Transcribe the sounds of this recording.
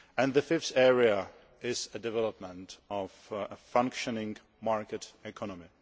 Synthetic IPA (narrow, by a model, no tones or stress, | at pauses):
æ̃nðəfɪfθɛɹia | ɪzədɛvɛləpmə̃ntɔvfʌ̃ŋkʃənɪ̃ŋ | maɹkɨtɛkʰɔnɔmi